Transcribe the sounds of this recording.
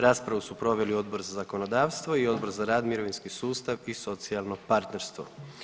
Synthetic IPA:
ɾaːspɾaʋusupɾo̞ʋe̞lio̞d̪bo̞ɾzazakono̞d̪aːʋst̪ʋo̞io̞d̪bo̞ɾzaɾaːd̪miɾo̞ʋinskisuːst̪aʋiso̞t̪sialˠno̞paɾt̪ne̞ɾst̪ʋo̰

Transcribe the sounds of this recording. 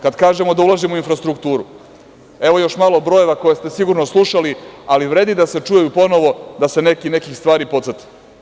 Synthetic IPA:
kad̪kaːʒemo̞d̪aulˠaʒimuinfɾast̪ɾukt̪uːɾu | e̞ʋo̞jo̞ʃmaːlˠo̞bɾo̞je̞ʋako̞jest̪e̞siɡuɾnoslˠuʃalialiʋɾeːd̪id̪ase̞t͡ʂujajupo̞no̞ʋo̞d̪ase̞ne̞kinekixst̪ʋaːɾipo̞t̪ət̪i̥

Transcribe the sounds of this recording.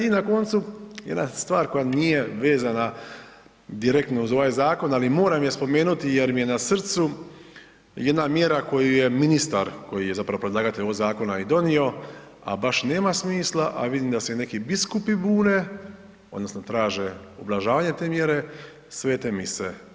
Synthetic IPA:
inako̞nt̪sujed̪nast̪ʋaːɾko̞janije̞ʋe̞ːzana | d̪iɾe̞kt̪nouzo̞ʋajzaːko̞nalimo̞ːɾamijespo̞me̞ːnut̪ijeɾmije̞nasr̩t̪su | je̞d̪namjeɾako̞juje̞minist̪aɾko̞jije̞zapɾaʋo̞pɾed̪laːɡat̪eʎoɡzaːko̞naid̪o̞nio̞ | a̰baʃne̞ːmasmiːslˠaʔa̰ʋid̪iːmd̪asene̞kibiskupibuːne̞ | o̞d̪no̞sno̞t̪ɾaːʒe | ublˠaʒaːʋaɲe̞t̪e̞ːmje̞ɾe̞ | sʋeːt̪e̞mise

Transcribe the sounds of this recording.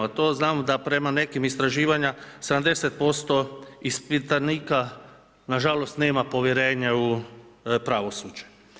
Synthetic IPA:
at̪oznaːmod̪apɾe̞mane̞kimist̪ɾaʒiːʋaɲased̪amd̪e̞set̪̚po̞st̪o̞ispit̪aniːka | naʒalo̞st̪neːmapo̞ʋjeɾe̞ːɲau | pɾaʋo̞suːd͡ʒe

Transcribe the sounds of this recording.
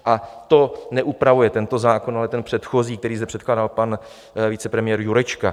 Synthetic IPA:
ʔat̪o̞nɛʔupɾavujɛt̪ɛnt̪o̞zaːko̞nalɛt̪ɛnpr̝̥ɛt̪xo̞ziːkt̪ɛɾiːsɛpr̝̥ɛt̪̚klaːdalpan | vit͡sɛpɾɛmɪjɛːɾjuɾɛt͡ʃka

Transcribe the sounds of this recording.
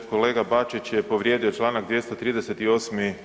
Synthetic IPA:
kole̞ːɡabat͡ʃit͡ɕjɛpo̞ʋɾjed̪iot͡ʃlˠaːnaɡd̪ʋje̞st̪ot̪ɾiːd̪eset̪io̞ːsmi

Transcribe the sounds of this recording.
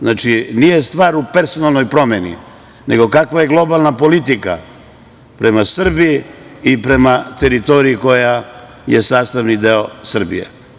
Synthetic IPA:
znat͡ʃinije̞st̪ʋaːɾupe̞ɾso̞nalˠno̞jpɾo̞menḭ | ne̞ɡo̞kakʋaje̞ɡlˠo̞balˠnapo̞lit̪ika̰ | pɾe̞masr̩bijiipɾe̞mat̪e̞ɾit̪oɾiiko̞ja | jesaːst̪aʋnid̪eo̞sr̩bḭjḛ

